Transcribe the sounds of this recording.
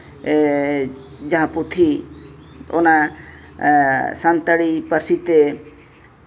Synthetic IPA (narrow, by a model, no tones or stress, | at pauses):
d͡ʒəɦãput̪ʰi | ona | sant̪əɽipəɾsit̪e